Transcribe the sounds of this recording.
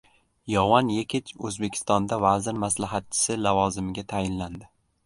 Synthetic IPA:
jɒwɒnjekʲʰɪt͡ʃʰɵzbe̞kʲʰɪ̥st̪ɒnd̪avazɪɾmaslaɦat̪̚t͡ʃʰɪ̥sɪlavɒzɪmɪɡʲat̪ʰajɪnland̪ɪ

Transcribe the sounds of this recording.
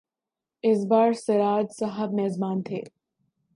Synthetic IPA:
ɪsbaːɾsɐɾaːd͡ʒsɐɦəbmɛːzmaːnt̪ʰḛː

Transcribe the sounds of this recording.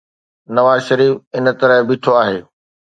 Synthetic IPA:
nɐʋaːzʃɐɾiːfɪn̆t̪ɐɾəɦbɪʈʰoaːɦeː

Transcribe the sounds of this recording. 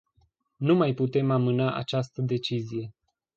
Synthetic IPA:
numajput̪e̞mamɨnaʔa̰t͡ʃast̪əd̪e̞t͡ʃizije̞

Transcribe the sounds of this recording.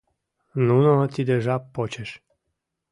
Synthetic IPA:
nunɔt̪ʲid̪eʒapːɔt͡ɕeʃ

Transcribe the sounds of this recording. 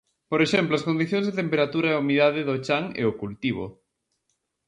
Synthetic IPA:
poɾeʃɛmploaskond̪iθjõŋzðet̪empeɾat̪uɾaeumiðaðɪðot͡ʃaŋḛokult̪iβ̞o̰

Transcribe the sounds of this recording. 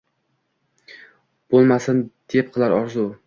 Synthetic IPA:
b̥olˠmasɪnd̪̥e̞p̚qʰɨlˠaɾɒɾzʊ

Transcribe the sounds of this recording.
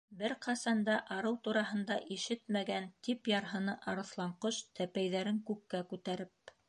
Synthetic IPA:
bɘɾqʰɑsɑnd̪ɑʔɑɾɤwt̪uɾɑɦɤ̆nd̪ɑʔiʃɘt̪̚mæɡænt̪ipjɑɾɦɤ̆nɤʔɑɾɤ̆θlˠɑɴqɤʃt̪æpæjðæɾɘŋkʉkːækʉt̪æɾɘp̚

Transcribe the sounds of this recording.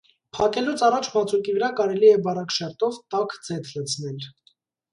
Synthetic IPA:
pʰɑkɛlut͡sʰɑrɑt͡ʃʰmɑt͡sʰukivəɾɑkɑɾɛliɛbɑrɑkʃɛɾt̪ɔvt̪ɑkd͡zɛt̪ʰlət͡sʰnɛl

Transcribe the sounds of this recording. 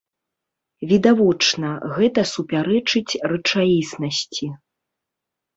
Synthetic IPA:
vʲid̪avɔt͡ʂnɐɣɛt̪ɐsupʲaɾɛt͡ʂɨt͡sʲrɨt͡ʂaisnɐsʲt͡sʲi

